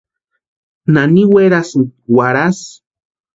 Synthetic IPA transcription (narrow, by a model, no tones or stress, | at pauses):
naniweɾasuwaɾas